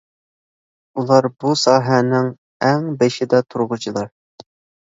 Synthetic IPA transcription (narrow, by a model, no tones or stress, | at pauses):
ulˠɑɾbusɑːɦɛnɪŋ | ɛŋbeʃɪd̪ɛt̪ʰuɾʁʊt͡ʃʰilˠɑɾ